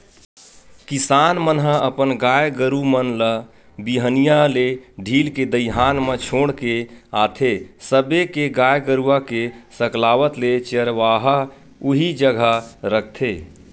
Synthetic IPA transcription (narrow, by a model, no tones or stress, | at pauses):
kisanmənɦəəpənɡajɡəɾumənlə | biɦənijaleɖʱiːlked̪əjɦanmə̃t͡ʃʰoɽkeat̪ʰesəbekeɡajɡəɾuakesəklaʋət̪let͡ʃəɾʋaɦa | uɦid͡ʒəɡʱaɾək̚ʰt̪ʰe